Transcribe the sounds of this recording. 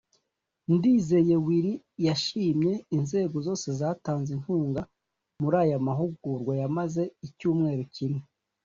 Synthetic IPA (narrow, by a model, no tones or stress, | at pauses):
ndiːze̞je̞wiɾi | jaʃiːmɲe̞inze̞ːɡo̞zo̞ːse̞zaːtaːnzin̥huːŋɡa | muɾaːjamaɦuɡuɾɡwajamaze̞icuːmŋe̞ːɾocine